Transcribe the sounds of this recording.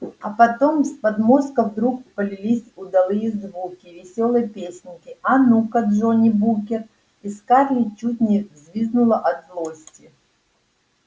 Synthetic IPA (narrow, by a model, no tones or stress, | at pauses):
ɐ̰pɐt̪omspɐd̪moskəvd̪ɾukpəlʲɪlʲisʲʊd̪ɐlˠɨjəzvukʲivʲɪsʲo̞lˠɨjəpʲesʲnʲkʲɪɐnukɐd̪ʐonʲibukʲɪr | iskarlʲɪt͡ɕut̚ʲnʲɪvzʲvʲiznʊlˠəʔɐt̪vlˠosʲtʲɪ